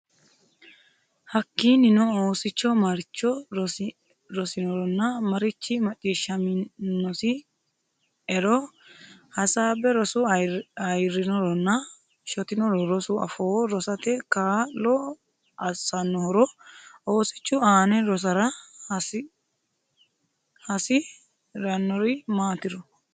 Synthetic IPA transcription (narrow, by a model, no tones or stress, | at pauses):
hɐkːiːnɪnɔoːsɪt͡ʃːɔmɐɾt͡ʃːɔɾɔ | ɾɔsɪnɔɾɔnːɐmɐɾɪt͡ʃːɪmɐt͡ʃʼːiːʃːɐmɪnːɔsɪ | ɛɾɔ | hɐsaːbɛɾɔsʊɐjɾɪnɔɾɔnːɐ | ʃɔt̪ɪnɔɾɔɾɔsʊɐ̰fɔːɾɔsɐt̪ɛkaːlɔ | ɐsɐnːɔhɔɾɔoːsɪ̥t͡ʃːʊaːnɛɾɔs̬ɐɾɐs | hɐsɪ | ɾɐnːɔɾɪmaːt̪ɪɾɔ